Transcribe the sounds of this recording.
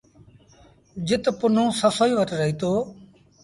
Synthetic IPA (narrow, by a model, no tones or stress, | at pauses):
d͡ʒɪt̪pʊn̤õːsəsoːiːʋəʈɾəɦiːt̪oː